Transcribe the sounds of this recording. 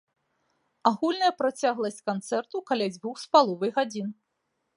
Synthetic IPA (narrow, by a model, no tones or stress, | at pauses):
aɣulʲnɐjɐpɾat͡sʲaɣlˠɐsʲt͡sʲkant̪sɛrt̪ukalʲad͡zʲvʲuxspalˠɔvɨjɣad͡zʲin